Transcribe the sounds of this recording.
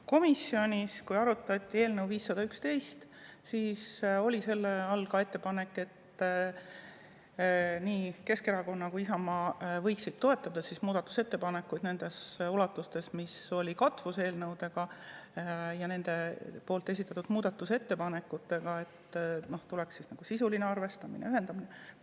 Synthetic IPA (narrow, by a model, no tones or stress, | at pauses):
ko̞misːjo̞nʲiskujɑɾut̪ːˑɑt̪ʲːˑie̞ːlnəwviːsːɑd̪ɑykst̪e̞jst̪ | siːso̞lʲise̞lːeɑlkɑe̞t̪ːe̞pɑne̞kːˑe̞t̪ | niːke̞ske̞ɾɑko̞nːɑkuisɑmɑːvɤ̞jksit̪t̪ːo̞e̞t̪ːˑɑd̪ɑsismuːd̪̥ɑt̪ːˑu̥se̞t̪ːe̞pɑnekːˑujd̪ne̞nd̪̥e̞sulɑt̪ːˑust̪e̞smiso̞lʲikɑt̪vuse̞ːlnɤwd̪̥e̞ɡ̥ɑ | jɑne̞nd̪̥e̞po̞ːlt̪ːˑe̞s̬ʲit̪ːˑɑt̪ːˑud̪muːd̪̥ɑt̪ːˑuse̞t̪ːe̞pɑne̞kːˑut̪ːe̞ɡ̥ɑe̞t̪ːno̞ht̪ulɛksisnɑɡ̥usisulineɑrve̞st̪ɑminḛyɦe̞nd̪̥ɑmine